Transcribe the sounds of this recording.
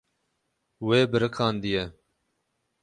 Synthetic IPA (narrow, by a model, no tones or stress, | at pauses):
weːbɨɾɨkʰɑːnd̪ijɛ